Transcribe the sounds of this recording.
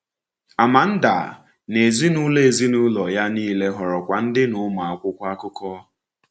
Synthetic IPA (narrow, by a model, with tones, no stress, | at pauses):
a˨ma˨n̩˦da˨ | ne˨zi˦nu˦le˦˨zi˦nu˦lɔ˨ja˦niː˦le˦ɦɔ˨ɾɔ˨kʷa˨n̩˦dɪ˦nʊ˨˦ma˨a˨kʷʊ˦kʷa˦kʊ˦kɔ˦